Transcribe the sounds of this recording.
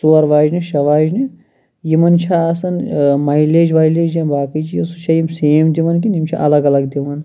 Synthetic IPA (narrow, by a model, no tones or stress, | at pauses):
suːɐɾʋaːd͡ʒniʃɐʋaːd͡ʒni | jimɐnt͡ʃʰasɐnmɐileːd͡ʒʋaːjleːd͡ʒɐmbaːkit͡ʃʰijɐsut͡ʃʰɐjimseːmd̪iʋɐnk̬inimt͡ʃʰa̰ʔɐlɐɡɐlɐɡd̪iʋɐn